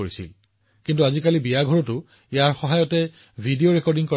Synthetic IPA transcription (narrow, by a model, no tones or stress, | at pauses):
oɹisḭl | kintuazikalibiaɡʱɔɹɔtʊ | ijaɹxɔɦajɔtɛ | bʱidioɹɛkɔɹdiŋkɔ